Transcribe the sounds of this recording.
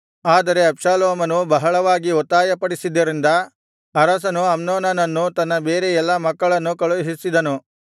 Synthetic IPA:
aːd̪ɐɾe̞ɐpʂaːloːmɐnubɐɦɐɭɐʋaːɡiɔt̪ːaːjɐpɐɽisid̪ːɐɾind̪ɐ | ɐɾɐs̬ɐnuɐmnoːnɐnɐnːut̪ɐnːɐbeːɾeɛlːɐmɐkːɐɭɐnːukɐɭuɦisid̪ɐnu

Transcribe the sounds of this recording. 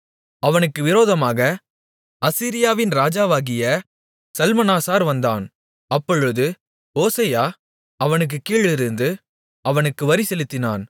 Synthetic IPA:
ɐʋɐnɯkːɯʋɪɾoːðɐmaːɣɐ | ɐsiːɾɪjaːʋɪnɾaːd͡ʒaːʋaːɣɪjɐ | sɐlmɐnaːsaːɾʋɐnd̪a̰ːn | ɐpːɔɻɯðɯ | oːsɐjaː | ɐʋɐnɯk̬ːɯkːiːɭɪɾɯnd̪ɯ | ɐʋɐnɯkːɯʋɐɾisɛlɯt̪ːɪna̰ːn

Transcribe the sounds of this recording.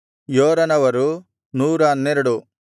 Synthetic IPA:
joːɾɐnɐʋɐɾu | nuːɾɐɐnːeɾuɽu

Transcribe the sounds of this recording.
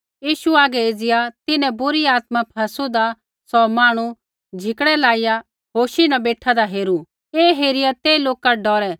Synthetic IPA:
jiːʃuaːɡɛeːd͡zɪjat̪ɪnɛ̃bʊɾiaːt̪mãpʰɐsud̪a | sɔmaːɽ̃u | d͡ʒʱɪkɽɛlaːɪja | ɦoːʃinabeːʈʰad̪aɦeːɾu | eːɦeːɾɪjat̪eːloːkaɖɔːɾɛ

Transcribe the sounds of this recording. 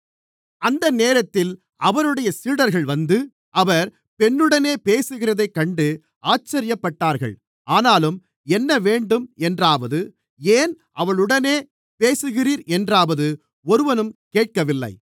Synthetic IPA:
ɐnd̪ɐneːɾɐt̪ːɪl | ɐʋɐɾɯɽɐjɐsiːɽɐɾɣɐɭʋɐnd̪ɯ | ʔɐʋɐɾ | pɛnːɯɽɐneːpeːsɯɣɪrɐðɐɪkːɐɳɖɯ | aːt͡ʃːɐɾɪjɐpːɐʈːaːɾɣɐ̰ɭ | aːnaːlɯm | ɛnːɐʋeːɳɖɯmɛndraːʋɐðɯ | eːn | ʔɐʋɐɭɯɽɐneː | peːsɯɣɪriːɾɛndraːʋɐðɯ | ɔɾɯʋɐnɯmkeːʈ̚kɐʋɪlːɐ̰ɪ

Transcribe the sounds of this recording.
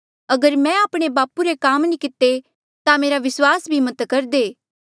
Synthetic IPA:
ɐɡəɾmɛ̃aːpɽ̃ebaːpuɾekaːmnikɪt̪ːe | t̪ameːɾaʋɪswaːsbʱimɐt̪kɐɾd̪eː

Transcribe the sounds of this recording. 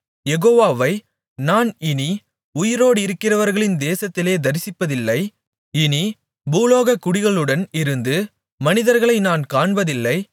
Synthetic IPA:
jɛɣoːʋaːʋɐɪ | naːnɪni | ʊjɪɾoːɽɪɾɯkːɪrɐʋɐɾɣɐɭɪnd̪eːsɐt̪ːɪleːd̪ɐɾɪsɪpːɐðɪlːɐɪ | ɪni | buːloːɣɐkːʊɽɪɣɐɭɯɽɐnɪɾɯnd̪ɯ | mɐnɪðɐɾɣɐɭɐɪnaːnkaːɳbɐðɪlːɐɪ

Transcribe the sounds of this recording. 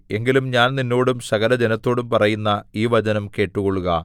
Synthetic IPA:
e̞ŋɡilumɲaːnninːo̞ːɽumsɐɣɐlɐd͡ʑenɐt̪ːo̞ːɽumpɐrɐjunːɐiːʋɐd͡ʑɐnɐmke̞ːʈːuɣo̞ɭuɣɐ

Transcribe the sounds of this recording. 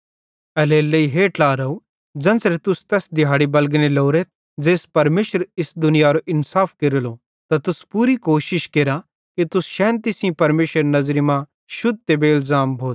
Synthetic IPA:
ɛleːlːɐiɦeːʈlaːɾɐu | d͡ʒɐ̃nsɾet̪ʊst̪ɛːsd̪ɪɦaːɽibɐlɡneloːɾet̪̚ | d͡ʒeːspɐɾmeːʃəɾɪsd̪ʊnɪjaɾoʔɪnsaːpʰkeɾlo | t̪at̪ʊspuːɾikoːʃɪʃkeɾa | kit̪ʊsʃɛ̃ːnt̪isĩpɐɾmeːʃəɾnɐzɾimã | ʃʊd̪̚t̪ebeɪlzaːmbʱoːt̪̚

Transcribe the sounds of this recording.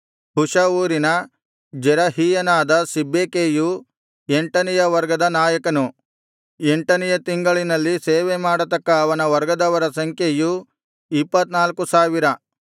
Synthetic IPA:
huʂɐʋuːɾinɐ | d͡ʒɛɾɐɦiːjɐnaːd̪ɐsibːeːkeːju | eɳʈɐnɛjɐʋɐɾɡɐd̪ɐnaːjɐkɐnu | eɳʈɐnɛjɐt̪iŋɡɐɭinɐlːiseːʋemaːɽɐt̪ɐkːɐːʋɐnɐʋɐɾɡɐd̪ɐʋɐɾɐsɐŋkʰeju | ipːɐt̪naːlkusaːʋiɾɐ

